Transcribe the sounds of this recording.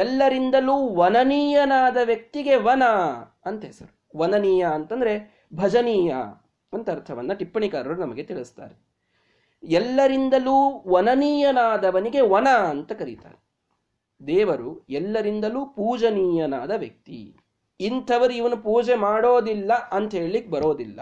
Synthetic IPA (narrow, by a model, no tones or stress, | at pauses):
ɛlːɐɾind̪ɐluːʋɐnɐniːjɐnaːd̪ɐʋjɐk̚t̪iɡe̞ʋɐnɐ | ɐnt̪esɐɾu | ʋɐnɐniːjɐɐnt̪ɐnd̪ɐɾe̞ | bʱɐd͡ʒɐniːjɐ̰ | ɐnt̪ɐɾt̪ʰɐʋɐnːɐʈipːɐɳikaːɾɐʋɐɾunɐmɐɡe̞t̪iɭist̪a̰ːɾe | ɛlːɐɾind̪ɐluːʋɐnɐniːjɐnaːd̪ɐʋɐniɡe̞ʋɐnɐːnt̪ɐkɐɾit̪a̰ːɾe | d̪ɛːʋɐɾuɛlːɐɾind̪ɐluːpuːd͡ʒɐniːjɐnaːd̪ɐʋjɐk̚t̪ḭ | int̪ʰɐʋɐɾuiʋɐnupuːd͡ʒemaːɽoːd̪ilːɐɐnt̪ɐɦeːɭlikːebɐɾo̞ːd̪ilːɐ̰